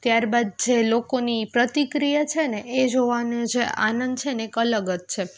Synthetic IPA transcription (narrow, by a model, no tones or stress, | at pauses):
t̪jaɾbad̪̚d͡ʒelokonipɾət̪ikɾijat͡ʃʰeneed͡ʒoʋanũd͡ʒea̰nənd̪̚t͡ʃʰeneekələɡəd͡ʒt͡ʃʰe